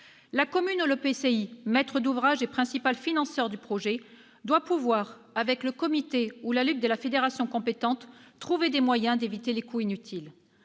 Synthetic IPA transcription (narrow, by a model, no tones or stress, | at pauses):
lakɔmynuləpeseimɛt̪χəd̪uvʁaʒepχɛ̃sipalfinɑ̃sœʁd̪ypχɔʒe | d̪wapuvwaʁ | avɛkləkɔmit̪eulalyt̪̚d̪əlafed̪eʁasjɔ̃kɔ̃pet̪ɑ̃t̪ːχuved̪emwajɛ̃d̪evit̪elekuinyt̪ʰil